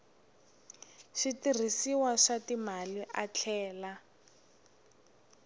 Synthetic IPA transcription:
ʃitir̤isiwaʂatimaliʔat͡ɬʰɛːla

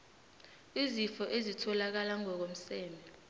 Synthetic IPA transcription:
izifɔʔezitʰɔlak̬alaŋɔk̬om̩sɛːmbɛ

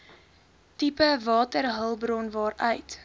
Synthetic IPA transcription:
tipəvɑːtərɦəlˠbɾɔnvɑːɾœɥt

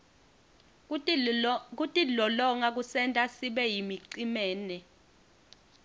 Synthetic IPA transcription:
k̬utʼilɔlɔŋak̬usɛntʼasiɓɛjimiǀimɛːnɛ

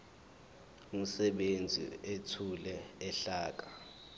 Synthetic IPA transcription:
um̩sɛɓend͡zʱḭetʰulɛɛɬaːk̬ḁ

